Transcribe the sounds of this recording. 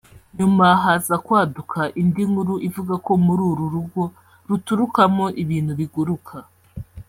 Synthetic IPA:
ɲumaɦaːzakwaːdukʰaʔindiŋɡuɾuʔivuɡako̞muɾuːɾuɾuɡo̞ | ɾutuɾukamo̞ʔiβiːn̥huβiɡuɾukʰa

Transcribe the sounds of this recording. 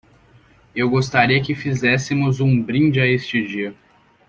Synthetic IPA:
ewɡost̪aɾiɐkɪfizɛsɪmʊzũbɾĩnd͡ʒɪaest͡ʃɪd͡ʒiɐ

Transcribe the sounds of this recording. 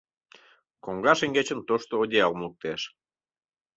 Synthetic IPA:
koŋɡɑʃeŋɡet͡ɕənt̪oʃt̪oodʲeɑlmluk̚t̪eʃ

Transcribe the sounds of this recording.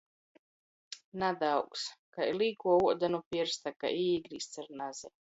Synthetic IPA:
nad̪awkskajliːkuɔuɔd̪anupʲiɾst̪aka̰ʔiːɡɾist̪saɾnaz̥ɛ

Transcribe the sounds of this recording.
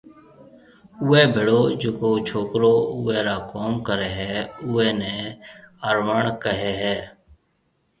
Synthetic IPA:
ʊːeːbʱɪɽoːd͡ʒoːkoːt͡ʃʰoːkɾoːʊɛːɾaːkoːmkəɾɛːɦɛːʊːɛːnɛːəːɾʋaːɳkəɦeːɦɛː

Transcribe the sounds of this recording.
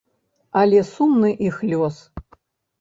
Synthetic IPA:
alʲesumnɨʔixlʲos

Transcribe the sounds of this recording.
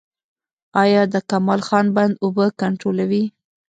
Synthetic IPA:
ɑjɑd̪əkamɑlxɑnband̪obəkaɳʈɾolawi

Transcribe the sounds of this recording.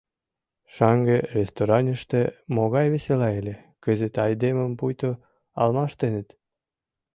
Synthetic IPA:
ʃɑŋɡerʲest̪oɾɑnʲə̆ʃt̪emoɣɑjβeselɑelʲĕkə̆zet̪ɑjd̪emə̆mpujt̪o | ɑ̰lmɑʃt̪enə̆t̪

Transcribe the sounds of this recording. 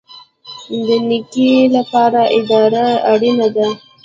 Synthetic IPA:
d̪ənikilapɑɾaʔɪd̪ɑɾaaɽinad̪a

